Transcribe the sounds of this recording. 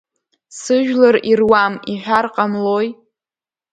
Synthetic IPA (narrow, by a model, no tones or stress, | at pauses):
sɨʒᶣlaɾirwamiħʷᶣarqʼamloj